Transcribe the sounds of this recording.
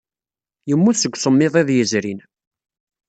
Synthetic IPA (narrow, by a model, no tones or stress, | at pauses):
jəmːusəɡʷːsəmːɪðˤeðjəzɾin